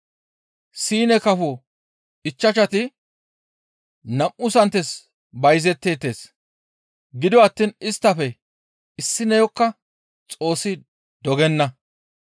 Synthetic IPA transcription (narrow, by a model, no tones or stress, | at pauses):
siːnɛkɐfɔ | ɪt͡ʃːɐt͡ʃɐt̪ɪ | nɐmʔʊsɐnt̪ːɛs | bɐjzɛt̪ːe̞ːt̪ːe̞ːs | ɡɪd̪ɔwɐt̪ːiːnɪst̪ːɐfɛ | ɪsːɪnɛjɔkːɐ | t͡sʼo̞ːsːɪ | d̪ɔɡɛnːɐ